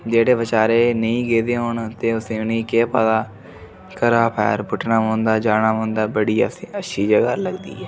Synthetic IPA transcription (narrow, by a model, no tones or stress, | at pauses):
d͡ʒeːɽeːʋət͡ʃaːɾeːnəĩːɡeːd̪eːɦʊːɳt̪eːʊsẽːʊnĩːkeːpaːd̪aː | kəɾaːpʰɛ̰ːɾbʊʈnaːmõːnd̪aːd͡ʒaːɽaːmõːnd̪aːbəɽiːəʃʰiːd͡ʒəɡaːləɡd̪ḭːɛː